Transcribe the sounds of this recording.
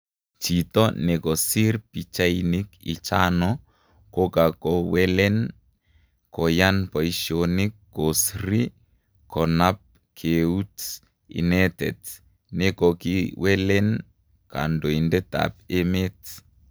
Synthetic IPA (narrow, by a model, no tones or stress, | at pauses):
t͡ʃit̪ɔnɛkɔsiɾpit͡ʃainikit͡ʃanɔ | kokakɔwɛlɛn | kɔjanpɔiʃonikːosɾi | kʰɔnap̚ | kʰeut | ḭnɛtɛt | nekɔkiwɛlɛn | ka̰ndoindɛta̰pemet